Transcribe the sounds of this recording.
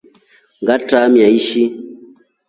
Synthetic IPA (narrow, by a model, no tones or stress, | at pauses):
ŋɡatamiaiʃi